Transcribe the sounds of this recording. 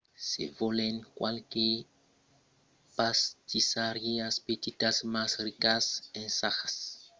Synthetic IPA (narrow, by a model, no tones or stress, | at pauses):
sḛvoleŋkwalke | past̪isaɾjeaspet̪it̪asmasrikasẽnsaxḁs